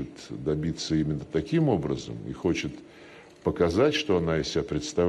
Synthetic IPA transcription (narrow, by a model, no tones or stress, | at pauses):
ɪt̪d̪ɐbʲit̪sːəimʲɪnːət̪ɐkʲimo̞bɾəzə̰mḭxo̞t͡ɕɪt̪ | pəkɐzatʲʂt̪o̞ɐnaɪsʲɪbʲapɾʲɪt̪st̪ɐv